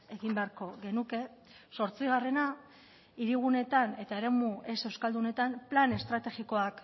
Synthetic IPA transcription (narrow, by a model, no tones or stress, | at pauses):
e̞ɣimbe̞aɾko̞ɣe̞nuke̞ | so̞ɾt͡siɣ̞are̞na | iɾiɣ̞une̞t̪ane̞t̪ae̞ɾe̞muʔe̞se̞wskald̪une̞t̪amplane̞st̪ɾat̪e̞ɣiko̞ak